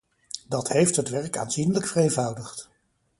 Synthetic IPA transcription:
dɑtɦejftɦətʋɛɹka̰ːnzinləkfərejnvʌwdəχt

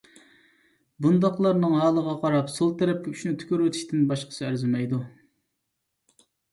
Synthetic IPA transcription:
bund̪ɑqlˠɑɾnɨŋɦɑːlˠəʁɑqʰɑɾɑpsolˠt̪ʰɛɾɛp̚kʲɪyʃnɪt̪ʰy̥kʲyɾwet̪ʰɪ̥ʃt̪ɪnbɑʃqə̥sɨæɾzɪmɛjd̪u

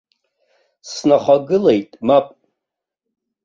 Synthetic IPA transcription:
snaχʷaɡɨle̞jtʼmapʼ

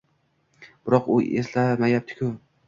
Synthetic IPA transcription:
b̥ɪɾɒqʊe̞̰slamajap̚t̪ʰɪ̥kʰʲʊ

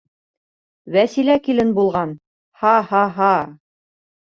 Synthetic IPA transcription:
wæsilækilɘnbulˠʁɑn | hɑhɑɦɑ

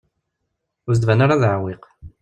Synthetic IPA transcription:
ʊɾz̬d̪vænaɾaðʕwiq

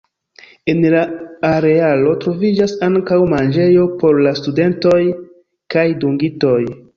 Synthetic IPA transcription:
e̞nlaːɾe̞alo̞tɾo̞vid͡ʒasaŋkawmand͡ʒe̞jo̞po̞ɾlastude̞nto̞j | kajduŋɡito̞j

